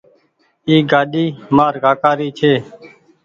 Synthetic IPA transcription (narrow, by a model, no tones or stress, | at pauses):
iːɡaːɗiːmaːɾɡaːkaːɾiːt͡ʃʰeː